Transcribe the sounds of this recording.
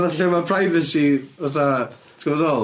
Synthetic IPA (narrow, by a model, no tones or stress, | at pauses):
ðaɬɛmapʰrajvɛsivaθa | tʰɡ̥əvɔðoːlˠ